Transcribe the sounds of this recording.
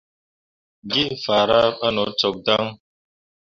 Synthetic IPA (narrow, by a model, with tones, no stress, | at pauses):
ɡi˦fa˨ɾa˦ɓa˦nɔ˨˦t͡sɔ˨k̚da˦ŋ